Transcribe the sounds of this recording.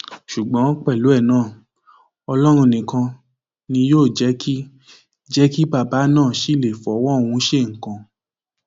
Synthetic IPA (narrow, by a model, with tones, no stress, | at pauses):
ʃu˨ɡ͡bã˨˦k͡pɛ˦˨lu˨˦ɛ˦˨nãː˦˨ | ɔ˧lɔ˦ɾ̃ũ˧˨nĩ˨kã˧ | nĩ˧joː˦˨d͡ʒɛ˨˦kʰi˦ | d͡ʒɛ˦ki˦ba˦˨ba˨˦nãː˦˨ʃi˦˨le˨fɔ˨˦w̃ɔ̃˦˨wũ˧˦ʃe˦˨ŋ̩˨kã˨